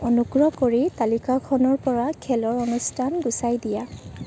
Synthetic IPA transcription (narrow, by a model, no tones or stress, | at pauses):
ɔnuɡɹɔkoɹitalikakʰɔnɔɹpɔɹakʰɛlɔɹɔnustʰanɡusajdija